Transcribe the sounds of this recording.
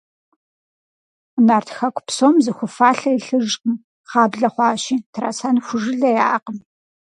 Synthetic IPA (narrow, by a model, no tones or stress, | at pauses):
naːrtʰxɐkʷʰʼpsoːmzɨxʷʊfaːɬɐjɬɨʒm | χɑːbɮɐχʷɑːɕiːtʰra̰ːsaːnxʷʊʒɨɮɐjaːqəm